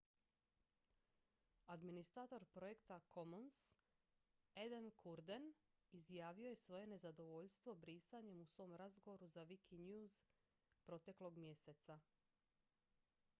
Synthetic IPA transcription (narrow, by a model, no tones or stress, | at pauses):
ad̪minist̪ɾat̪o̞ɾpɾo̞je̞kt̪akʰo̞mons | ed̪enkʰuɾd̪en | izjaːʋioje̞sʋo̞je̞ne̞zad̪o̞ʋo̞ʎst̪ʋo̞bɾiːsaɲe̞musʋo̞ːmɾazɡo̞ʋo̞ɾuzaʋikʰiɲjuz | pɾo̞t̪e̞klˠo̞ɡmje̞se̞t̪sa